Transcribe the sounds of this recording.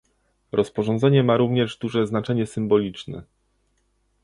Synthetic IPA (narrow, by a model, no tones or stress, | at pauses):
ɾʔɔspɔʐɔ̃nd̪zɛɲɛmaɾuvɲɛʐd̪uʐɛznat͡ʂɛɲɛsɘmbɔlʲit͡ʂnɛ̰